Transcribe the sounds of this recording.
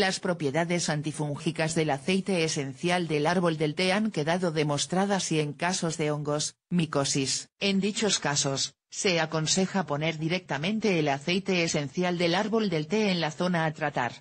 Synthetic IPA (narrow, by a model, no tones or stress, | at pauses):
laspɾo̞pje̞ðaðe̞sant̪ifuŋxikazðe̞laθe̞jt̪e̞ːse̞n̟θjald̪e̞laɾβo̞ld̪e̞lt̪e̞aŋke̞ðaðo̞ðe̞mo̞st̪ɾaðasie̞ŋkaso̞zðe̞oŋɡo̞smiko̞sise̞nd̪it͡ʃo̞skaso̞sː | e̞ako̞nse̞xapo̞ne̞ɾðiɾe̞k̚t̪amẽ̞nt̪e̞ːlaθe̞jt̪e̞ːse̞nθjald̪e̞laɾβo̞ld̪e̞lt̪eːnlaθo̞naːt̪ɾat̪a̰ɾ